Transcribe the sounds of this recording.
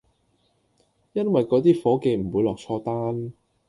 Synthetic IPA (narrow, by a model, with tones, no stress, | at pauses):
jɐ˥nwɐ˨jkɔː˨˥t̪iː˥fɔː˨˥ke˧jm̩˨˩wuː˨˧jlɔː˨k̚t͡ʃʰɔː˧t̪aː˥n